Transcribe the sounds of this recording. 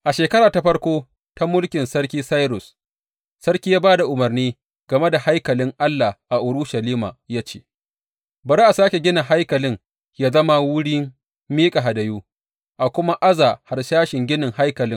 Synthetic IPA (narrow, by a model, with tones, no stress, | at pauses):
ʔa˨ʃeː˨kɐ˦ɾaː˨ta˦ɸɐ˦rkʷoː˦ | ta˦mʊ˦lkʲɪ˨nsɐ˦ɾkʲiː˦sa˦jɾʊ˨s | sɐ˦rkʲiː˦jaː˦baː˦da˨ʔʊ˨mɐ˨rniː˦ | ɡ̥ɐ˨me˦da˨ha˦jkɐ˨lɪ˦ŋʔa˦lːa˨ʔa˨ʔʊ˨ɾʊ˦ʃa˨liː˦ma̰ː˨jaː˦t͡ʃḛː˦ | bɐ˨ɾe˦ʔa˨saː˦kʲe˨ɡʲɪ˦na˨ɦa˦jkɐ˨lɪ˦ŋ | jaː˦zɐ˦ma˦wʊ˦ɽiː˦ | miː˦kʼa˨ɦa˨dɐ˨juː˦ | ʔa˨kʷʊ˦ma˦ʔa˦zaː˨ha˨rʃaː˦ʃɪ˨ŋɡʲɪ˦nɪ˨ŋha˦jkɐ˨lɪ˦ŋ